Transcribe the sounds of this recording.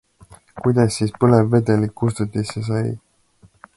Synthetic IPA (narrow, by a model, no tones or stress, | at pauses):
kujd̪̥ɑsːiːspɤlevːed̪elikkːust̪ut̪ːˑisːesɑj